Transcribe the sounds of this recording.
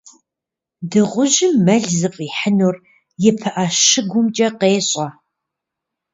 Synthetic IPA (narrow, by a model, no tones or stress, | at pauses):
dɨʁʷʊʒɪmːɐɮzɨpʼiːħənur | jɪpʰɨʔaʃɪɡʷʊmt͡ʃʼɐqeːɕʼɐ